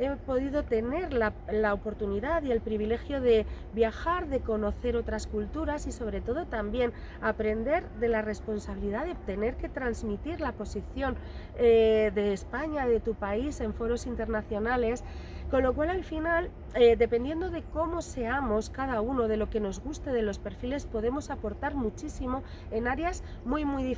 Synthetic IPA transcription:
e̞po̞ðiðo̞t̪e̞ne̞ɾlalaopo̞ɾt̪uniðaðie̞lpɾiβ̞ile̞xjo̞ðe̞ | bjaxaɾðeko̞no̞θe̞ɾo̞t̪ɾaskult̪uɾasiso̞β̞ɾe̞t̪o̞ðo̞t̪ambje̞n | apɾe̞nd̪e̞ɾðe̞lare̞spo̞nsaβ̞iliðaðe̞t̪e̞ne̞ɾke̞t̪ɾanzmit̪iɾlapo̞siθjo̞n | eðe̞ːspaɲaðe̞t̪upaise̞ɱfo̞ɾo̞sint̪e̞ɾnaθjo̞nale̞sko̞nlo̞kwalalfinal | ed̪e̞pend̪je̞nd̪o̞ðe̞ko̞mo̞se̞amo̞skað̞auno̞ð̞e̞lo̞ke̞no̞zɣust̪e̞ðe̞lo̞spe̞ɾfile̞spo̞ðe̞mo̞sapo̞ɾt̪aɾmut͡ʃisimo̞ | e̞naɾeazmujmujði

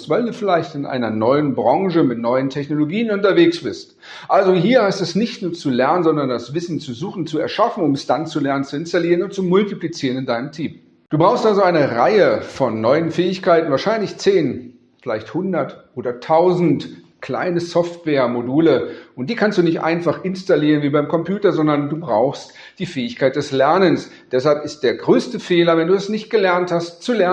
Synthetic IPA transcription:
stv̥aɪlduːfɪlaɪçtɪnʔa̰ɪnɐnɔʏənbʁɔŋʒəmɪtnɔʏəntʰɛçnoloɡiːənʊntɐveːksb̥ɪst | ʔalzoɦiːɐhaɪstɛsnɪçtnuːɐt͡sulɛɐnənzɔndɐndasv̥ɪsn̩t͡suzuːxn̩t͡suɛ̰ɐʃafn̩ʊmɛsd̥ant͡sulɛɐnənt͡suɪnstaliːʁənʊntt͡sumʊltiplit͡siːʁənɪndaɪnəmtʰiːm | d̥uːbʁaʊxstʔalzoaɪnəʁaɪəfɔnːɔʏənfɛːɪçkʰaɪtn̩vaːɐʃaɪnlɪçt͡seːn | fɪla̰ɪçthʊndɐtʔoːdɐtʰaʊzn̩t | kl̥a̰ɪnəsɔftv̥ɛːɐmoduːləʔʊnt̚d̥iːkʰanstd̥uːnɪçtʔa̰ɪnfaχʔɪnstaliːʁ̞ənviːbaɪmkʰɔmpjuːtɐzɔndɐnduːbʁaʊxst | d̥iːfɛːɪçkʰaɪt̚d̥ɛslɛɐnəns | d̥ɛshalpɪst̚d̥eːɐɡʁøːstəfeːlɐvɛnduːasnɪçt̚ɡ̥əlɛɐnthastt͡sulɛ

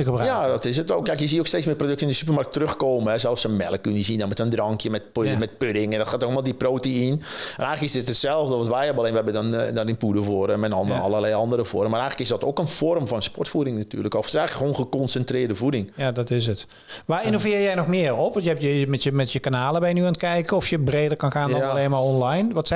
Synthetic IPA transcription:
kəjadɔtɪsətokkɛjkjəziəoksteːt͡ssmɪːprodøktəɪndəsypərmark̚tərøxkoːməɛsɛlˠfsənmɛlˠəkːynəjəzindɔnmɛtəndrɔŋkʰjəmɛt̚mɛt̚pødɪŋɛndɔtxaːtoxmalˠdiproːtəinmɛ̰nɛjxələkɪsdɪtətsɛlˠvdəʋɔtʋɛjɛbəleːnʋɛbədndɔnɪnpudəvoəɾɛnmɛnɔndəɑlˠərlɛjɑndəɾəvɔrmːaːrɛjxələkɪsdɔtokənfɔrmfɔnspɔrtfudɪŋnaty̰ːrləkɔfɪsɛjxləkxʋoːnxəkɔnsɛntrɪːrdəvudɪŋjadɔtɪs̬ət | ʋaːɪnofɪːrjɛjnɔxmɪərɔpʋɔtjəɛpjəmɛtjəmɛtjəkanaːləbɛjnyaːntkɛjkəɔfjəbreːdərkɑnxaːnleːnmaɹɔnlajnʋɔts

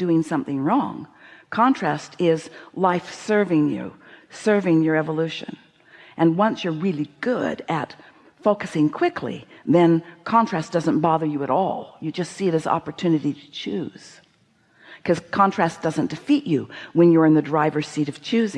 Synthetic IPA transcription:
d̥ʉɪ̃ŋsʌ̃mθɪ̃ŋɹɔ̰̃ŋkʰɑ̃ntʰɹ̥æstʰɪzlaɪfsɜ˞vɪ̃ŋjʉ̰sɜ˞vɪ̃ŋjə˞ɛvəlʉʃɨ̰̃n | ʔɨ̃nwʌ̃nsjə˞ɹɪlˠiɡʊɾɨt | foʊkɨsɪ̃ŋkʰw̥ɪkʰlḭðɨ̃nkʰɑ̃ntʰɹ̥æsd̥ʌzə̃nb̥ɑðə˞jɨɨɾɔ̰lˠjɨd͡ʒʌstsiɨɾɨzɑ̰pə˞tʰʉnɨɾiɾɨ̥t͡ʃʰʉ̰z̥ | kʰʌz̥kʰɑ̃ntʰɹ̥æsd̥ʌzɨ̃nd̥ɨfit͡ʃɨwɨ̃njə˞ɨ̃nðɨdɹaɪvə˞siɾʌv̥t͡ʃʰʉzɪ̃

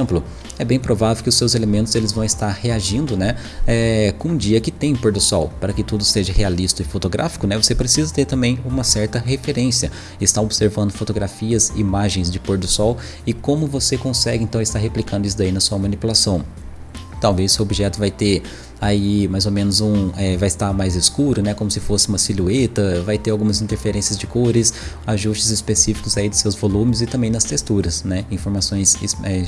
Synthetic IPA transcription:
plʊ | ɛbẽj̃pɾovavewkɪʊsːewzelemẽnt̪ʊzelɪzvɐ̃w̃ɪst̪aɾheaʒĩnd̪ʊnɛ | ɛkõũd͡ʒiɐkɪt̪ẽj̃poɾd̪ʊsɔwpaɾɐkɪt̪ud̪ʊseʒɐhealist̪ɐʊɪfot̪oɡɾʔa̰fi̥kʊnɛvosepɾesizɐt̪eɾt̪ɐ̃mbẽj̃ũmɐsɛɾt̪ɐɦefeɾẽsiɐ | ɪst̪aobɪseɾvɐ̃nd̪ʊfot̪oɡɾafiɐzimaʒẽj̃zd͡ʒɪpoɾd̪ʊsɔw | ɪkõmʊvosekõsɛɡɪẽnt̪ɐ̃w̃ɪst̪aɾɦeplikɐ̃d̪ʊis̬ʊd̪ainɐsuɐmɐ̃nipulasɐ̃w̃ | t̪awvejssewobiʒɛt̪ʊvajt̪e | aimajzomẽnʊzũɛvajɪst̪amajzɪskuɾʊnɛkõmʊsɪfosɪũmɐsiluet̪ɐvajt̪eɾawɡũmɐzĩnt̪eɾfeɾẽsiɐzd͡ʒɪkoɾɪsaʒust͡ʃɪzɪspesifi̥kʊzaid̪ʊsewzvolũmɪzɪt̪ɐ̃mbẽj̃nɐst̪est̪uɾɐsnɛĩfoɾmasõj̃sɛ

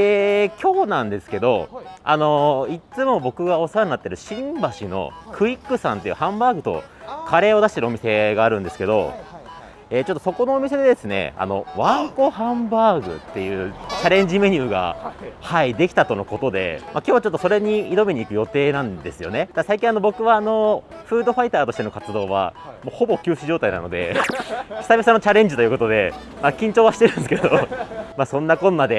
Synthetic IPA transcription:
eːkʲʰo̞ːnãnd̪e̞sɨ̥ke̞d̪o̞̰a̰no̞it͡sɨmo̞bo̞kɯ̟ɡao̞soɾaɲinat̪ːeɾɯ̟ɕĩmbaɕino̞̰kʰɯ̟ikːɯ̟sãnt̪ːe̞jɯ̟hãmbaːɡɯ̟t̪o̞̰ | kʰaɾe̞ːo̞d̪aɕi̥t̪eɾɯomʲise̞ɡaːɾɯ̟̃nd̪e̞sɨ̥ke̞d̪o̞̰ | eːt͡ɕo̞t̪ːoso̞ko̞no̞ːmʲise̞d̪e̞d̪esɨne̞̰a̰no̰βãŋko̞hãmbaːɡɯ̟̰t̪ːe̞jɯ̟ːt͡ɕaɾẽ̞ɲ̟d͡ʑime̞ɲ̟ɨːɡa̰haid̪e̞kʲi̥t̪at̪ono̞ko̞t̪o̞d̪e̞̰mʔakʲjo̞ːβat͡ɕo̞t̪ːo̞so̞ɾe̞ɲ̟iːd̪o̞meɲ̟iːkɯ̟jo̞t̪e̞ːnãnd̪e̞sɨjo̞ne̞d̪̥ad̪asaikʲĩano̞bo̞kɯ̟βaːno̞ | ɸɯ̟ːd̪o̞ɸait̪aːt̪o̞ɕi̥t̪e̞nokat͡sɨd̪o̞ːβa̰moːho̞bo̞kʲɨːɕiʑo̞ːt̪aina̰nod̪e̞̰ | çi̥sabʲisãnːot͡ɕaɾẽ̞ɲ̟d͡ʑit̪o̞jiɯko̞t̪o̞d̪e̞̰ | makʲĩɲ̟t͡ɕo̞ːβaɕi̥t̪eɾɯ̟nsɨkeed̪omasõ̞nːakõ̞nːad̪e̞

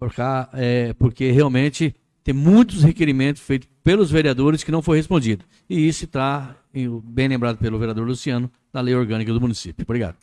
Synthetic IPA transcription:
poɾkaɛpoɾkeɦeawmẽt͡ʃɪ | t̪ẽj̃mũj̃t̪ʊshekeɾimẽnt̪ʊ̥sfejt̪ʊ̥pelʊzveɾiad̪oɾɪskɪnɐ̃w̃foɾhespõd͡ʒid̪ʊ | ɪisʊɪt̪a | ẽbẽj̃lẽmbɾad̪ʊpelʊveɾiad̪oɾlusiɐ̃nʊ | d̪ɐlejoɾɡɐ̃nikɐd̪ʊmunisipjʊbɾiɡa̰d̪ʊ

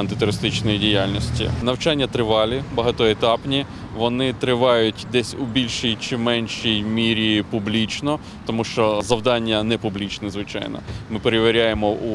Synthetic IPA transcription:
ɐnt̪ɪt̪ʊɾɪst̪ɪt͡ʃnɔjidʲijalʲnʲisʲtʲḭnɐwt͡ʃanʲːɐt̪ɾɪʋɑlʲibɐɦɐt̪ɔet̪ɑpnʲi | ʋɔnɪt̪ɾɪʋɑjʊtʲd̪ɛsʲubʲilʲʃijt͡ʃɪmɛnʲʃijmʲiɾʲipublʲit͡ʃnɔ | t̪ɔmuʃt͡ʃɔzɐwd̪ɑnʲːɐnɛpublʲit͡ʃnɛzʋɪt͡ʃɑ̰jnɔ̰mɪpeɾeʋʲeɾʲajemɔu

